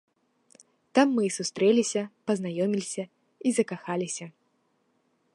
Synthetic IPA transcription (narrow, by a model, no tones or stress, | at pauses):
t̪amːɨsust̪ɾɛlʲisʲɐpɐznajɔmʲilʲisʲɐ | izɐkaxalʲisʲɐ